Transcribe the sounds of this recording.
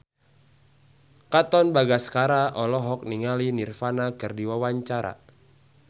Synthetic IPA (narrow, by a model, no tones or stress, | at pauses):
kat̪ɔnbaɡaskaɾaʔɔlɔɦɔk̚niŋalinirfanakɨrdiwawaɲt͡ʃaɾa̰